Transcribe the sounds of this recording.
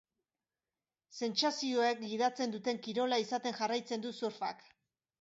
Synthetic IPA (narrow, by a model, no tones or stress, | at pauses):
se̞nt͡sasio̞ekɡiðat͡se̞nd̪ut̪e̞ŋkiɾo̞laisat̪e̞ŋʝarajt͡se̞nd̪usuɾfa̰k